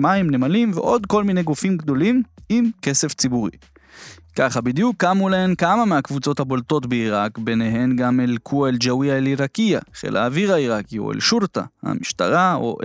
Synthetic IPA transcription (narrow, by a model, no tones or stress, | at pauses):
maimnemalimvḛʔo̞d̪ko̞lmineɡufimɡdo̞limimke̞se̞ft͡sibuʁḭ | kaχabid̪jukːamulaenkamameakvut͡so̞thabo̞lto̞tbeiʁakbeneɦe̞nɡamelkʰueld͡ʒawiaeliʁakia̰χḛlʔa̰ːviʁaiʁakio̞̰ḛlʃuʁt̪a̰ha̰miʃta̰ʁao̰ʔ